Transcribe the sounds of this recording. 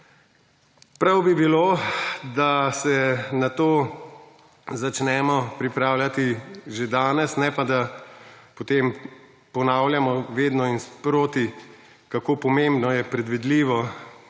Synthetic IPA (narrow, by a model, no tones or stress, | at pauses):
pɾawbibiloːd̪asɛnat̪oː | zat͡ʃnɛmɔpɾipɾaːwlʲjat̪iʒed̪aːnɛsnɛpad̪a | pot̪em | pɔnaːwljamɔʋeːd̪nɔinspɾoːt̪i | kakoːpɔmẽmbnɔjɛpɾɛd̪ʋid̪liːʋɔ